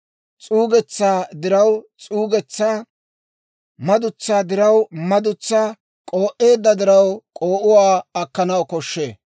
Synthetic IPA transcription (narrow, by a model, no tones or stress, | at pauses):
t͡sʼuːɡɛt͡sːaːd̪ɪɾɐwt͡sʼuːɡɛt͡sːaː | mɐd̪ʊt͡sːaːd̪ɪɾɐwmɐd̪ʊt͡sːaː | kʼo̞ːʔe̞ːd̪ːɐd̪ɪɾɐwkʼoːʔʊwaːɐkːɐnɐwkɔʃːḛː